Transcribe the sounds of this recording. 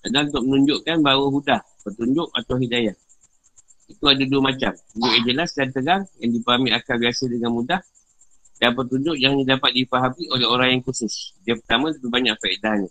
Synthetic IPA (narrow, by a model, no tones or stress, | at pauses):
tadant̪ʊʔ̚mənuɲd͡ʒʊʔkanbawəɦudahpərt̪uɲd͡ʒʊʔa̰t̪awɦidajah | it̪uadaduəmãt͡ʃamuʊʔjad͡ʒəlasdant̪əɡaŋjaŋdipəɦamiakalbiasədəŋanmudah | danpərt̪uɲd͡ʒʊʔ̚d͡ʒaŋandidapat̪̚difaɦabiʔoleɦoɾaŋjaŋkusʊsdiapərt̪amə̃t̪abibaɲaʔ̚faedaɲã